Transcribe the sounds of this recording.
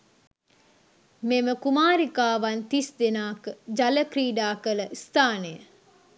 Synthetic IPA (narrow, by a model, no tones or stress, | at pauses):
meməkumaːɾikaːʋant̪isd̪enaːkəd͡ʒɐləkriːɖaːkələʔist̪aːnəjə